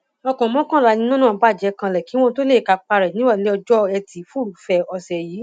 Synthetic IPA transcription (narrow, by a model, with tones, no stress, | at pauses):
ɔ˧kɔ̃˨˦mɔ̃˦kã˦˨ɾa˨˧nĩ˧nũ˦nã˦˨˧ba˦˨d͡ʒɛ˨˦kã˧lɛ˨ki˨˦w̃ɔ̃˦to˦le˦˨ka˧k͡pa˧ɾɛ˨nĩ˦wa˦˨le˨˦ɔ˧d͡ʒɔ˦ɛ˧ti˨˦fɾu˨˦fɛ˧ɔ˧sɛ˨jiː˨˦